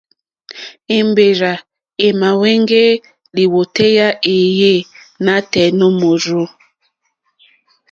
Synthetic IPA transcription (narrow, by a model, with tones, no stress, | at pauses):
e˨mbe˨ɾa˨ | e˨ma˨we˦ŋɡe˦ | li˨wo˨te˦ja˦ʔe˨je˦˨ | na˦tɛ˨nɔ˦mo˨ɾo˦